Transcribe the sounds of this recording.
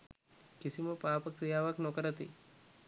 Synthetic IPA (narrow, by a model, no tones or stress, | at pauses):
kɪsimopaːpək̚t̪ijaʋaknɔkəɾət̪i